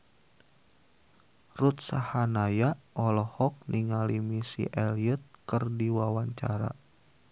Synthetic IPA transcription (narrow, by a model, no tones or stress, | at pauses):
rut̪̚sahanajaʔɔlɔhɔk̚niŋalimisḭʔɛliət̪̚kɨrdiwawaɲt͡ʃa̰ɾa̰